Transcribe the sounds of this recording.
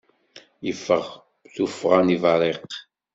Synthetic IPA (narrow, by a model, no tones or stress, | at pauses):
jəfːəʁ | θufːəʁanivɑɾˤeq